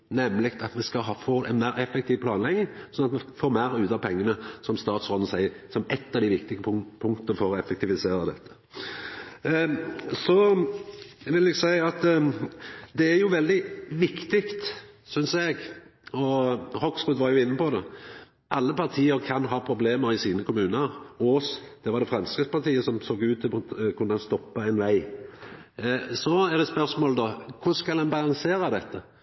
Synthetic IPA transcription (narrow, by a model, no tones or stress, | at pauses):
nɛmːlɪkt̪ɑt̪ʋɪskɑɦɑːfoːɛ̰nmæɪɾɛfːɛkt̪ʰiːʋpʰlɑːnlɛɡnɪŋsɔnɑt̪mɛfoːɾmæɪɾʉːt̪ɑʋpʰɛŋːənəsɔmst̪ɑːt̪sʁɔːn̩sæɪəsɔmɛt̪ːɑʋd̪æɪʋɪkt̪ɪɡəpʰʊŋkt̪əəfɔɾɔɛfɛk̚t̪ɪʋɪseːɾəd̪ɛt̪ʰːə̥ | sɔ | ʋɪlɛɡsæɪɑt̪ | d̪ɛæɾjʊʋɛld̪ɪʋɪkt̪ɪkt̪sʏnsɛɡɔhɔksʁʉːd̪ʋɑɾjʊɪnːəpɔd̪ɛ | ʔɑlːəpɑʁt̪ʰiːəɾkʰɑnɦɑːpʰɾʊbleːməɾɪsiːnəkʰʊmʉːnəɾosd̪̥ɛʋɑʁd̪ɛfɾɑmskʁɪpspɑʁt̪ʰiːəsɔmsoːɡʉːt̪ʰːkʰʉnːəɑnst̪ɔpːɑɛnʋæɪ | sɔɛʁd̪ɛspœʁsmoːld̪ɔkʰʊskɑlhɑnbɑlɑŋseːɾɑd̪ɛt̪ːə